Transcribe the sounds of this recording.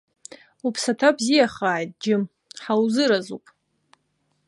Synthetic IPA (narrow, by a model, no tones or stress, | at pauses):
upʰsatʰabzijaχaːjtʼd͡ʒɪm | ħawzɨɾazupʼ